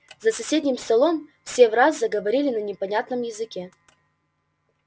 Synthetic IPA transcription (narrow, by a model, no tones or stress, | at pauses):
zɐsɐsʲedʲnʲɪmst̪ɐlˠomfsʲevraszɐɡəvɐɾʲilʲɪnɐnʲɪpɐnʲat̪nəmjɪzɨkʲe